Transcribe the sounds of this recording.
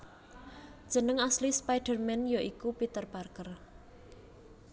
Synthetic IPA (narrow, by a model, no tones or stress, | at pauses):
d̥ʒ̥ə̤nəŋaslispajɖ̥ərmɛnjoʔikupit̪ərb̥arkər